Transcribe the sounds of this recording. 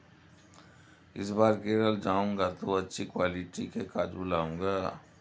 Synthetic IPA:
ɪsbaːɾkeːɾəld͡ʒaːũŋɡat̪oɐtːʃʰikwaːlɪʈikekaːd͡ʒulaːũːŋɡaː

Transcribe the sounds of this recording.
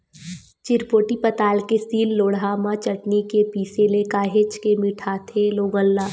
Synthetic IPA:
t͡ʃɪɾpoːʈipɐt̪aːlkesiːlːoːɽaːmãt͡ʃɐʈnikepiːselekaːɦet͡ʃkemiːʈʰaːt̪ʰeloːɡə̃lːaː

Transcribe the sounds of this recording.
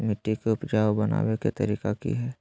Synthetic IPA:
mɪʈːikeʊpd͡ʒaːwbɐna̰ːweket̪ɐɾiːkakḭɦɛː

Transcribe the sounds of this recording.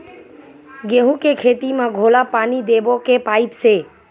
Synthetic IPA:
ɡeɦũkekʰet̪imãɡʱolapaːnid̪ebokepait̪ʃe

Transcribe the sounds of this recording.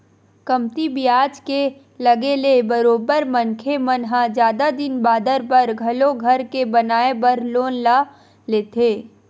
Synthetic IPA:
kɐmt̪ibiaːd͡ʒke | lɐɡelebəɾoːbəɾmənkʰemɐnɦad͡ʒjaːd̪ad̪ɪnbaːd̪əɾpəɾɡʱɐloɡʱɐɾkebɐnaːebəɾloːnla | leːt̪ʰeː

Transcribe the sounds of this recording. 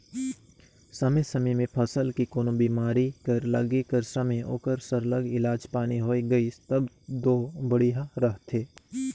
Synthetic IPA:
sɐmesɐməmẽpʰɐsəlkikoːnõbiːmaːɾikəɾlɐɡekəɾsəmeo̰ːkəɾsəɾləɡɪlaːd͡ʒpaːniɦoːiɡɐit̪ɐb | d̪oːbəɽijɦaɾɐɦt̪ʰeː

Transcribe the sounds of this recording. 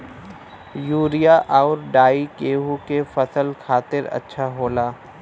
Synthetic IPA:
juːɾijaʔaːɾɖaːikeːɦukefɐsəlkʰaːt̪ɪɾɐ̰tːʃʰaɦoːlaː

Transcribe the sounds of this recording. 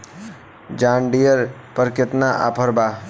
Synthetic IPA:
d͡ʒãːɳɖijəɾpəɾkɪt̪naʔa̰pʰəɾbaː

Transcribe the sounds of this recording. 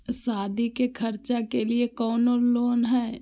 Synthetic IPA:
saːd̪ikekʰɐɾt͡ʃakeliekɔːnoloːnɦɛː

